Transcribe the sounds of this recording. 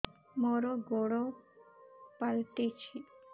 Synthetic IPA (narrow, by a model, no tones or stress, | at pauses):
moɾoɡoɽo | palt̪it͡ʃʰi